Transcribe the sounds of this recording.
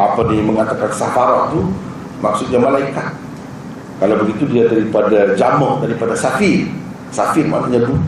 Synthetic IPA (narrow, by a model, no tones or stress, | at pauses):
apadiməŋat̪akansafaɾaʔt̪u | maksʊt̪̚ɲamalaikat̪̚ | kalawbəɡit̪udiadaɾipadad͡ʒamɔhdaɾipadasafir | safirma̰t̪aɲadu